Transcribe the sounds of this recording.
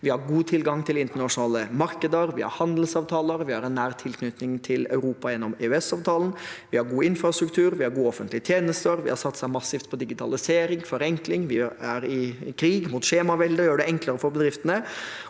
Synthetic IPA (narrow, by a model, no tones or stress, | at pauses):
ʋɪhɑɾɡuːt̪ʰɪlɡɑŋt̪ʰɪlɪnt̪əɳɑʂʊnɑːləmɑɾkəd̪əɾʋɪhɑ̰ɾhɑnd̪əl̩sɑːʋt̪ʰɑːləɾʋɪhɑɾɛnːæːɾt̪ʰɪlkʰnʏt̪nɪŋt̪ʰɪlœʉɾuːpɑjɛnːɔmeːʉɛsɑːʋt̪ʰɑːlən̩ʋɪhɑɾɡuːɪnfɾɑst̪ɾʉkt̪ʰʉːɾʋɪhɑɾɡuːɔfənt̪ʰlɪət̪ʰjeːnəst̪əɾʋɪ̰hɑɾsɑt̪ːsæɪmɑsːɪft̪̚pʰɔd̪ɪɡɪt̪ʰɑ̰lɪseːɾɪŋfɔɾɛŋklɪŋʋɪæɾɪkʰɾiːɡmuːt̪ʃeːmɑʋɛld̪əɾjøːɖɛɛŋkləɾəfɔɾbəd̪ɾɪft̪ənə